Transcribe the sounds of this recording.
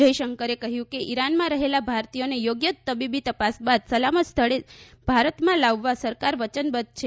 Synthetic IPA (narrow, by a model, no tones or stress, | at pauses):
əjʃəŋkəɾekəɦjũkeʔiɾanmãɾəɦelabʱaɾt̪ijonejoɡjət̪ːəbibit̪əpasbad̪səlamət̪st̪ʰəɭebʱaɾət̪mãlaʋːasəɾkaɾʋət͡ʃənbəd̪̚t͡ʃʰe